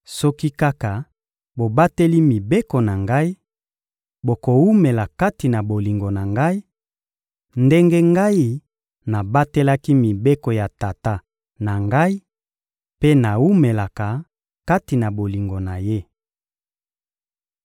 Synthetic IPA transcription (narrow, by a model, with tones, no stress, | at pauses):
sɔ˦ki˦ka˦ka˨ | bo˨ba˦te˦li˦mi˨be˦ko˨na˨ŋɡa˦i˦ | bo˨ko˨wu˦me˨la˨ka˦ti˨na˨bo˨li˨ŋɡo˨na˨ŋɡa˦i˦ | nde˦ŋɡe˦ŋɡa˦i˦ | na˨ba˦te˦la˦ki˦mi˨be˦ko˨ja˨ta˨ta˦ | na˨ŋɡa˦i˦ | pe˦na˨wu˦me˨la˨ka˨ | ka˦ti˨na˨bo˨li˨ŋɡo˨na˨je˦